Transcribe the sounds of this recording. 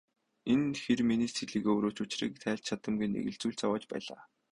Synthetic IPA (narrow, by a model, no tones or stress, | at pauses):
enxerminiːsʰeɮiːɣeːɵɾoːt͡ɕʊt͡ɕrḭːk̚t̪ʰæːɬt͡ɕt͡ɕʰat̪ə̆mɡunḛɣɘ̆ɮt͡suːɮt͡sawaːt͡ɕpæ̰ːɮa̰ː